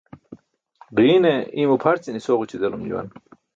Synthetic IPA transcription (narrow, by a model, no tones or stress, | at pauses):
diːneimupʰɐɾt͡sinisoʁut͡ɕid̪elumd͡ʑṵwɐ̰n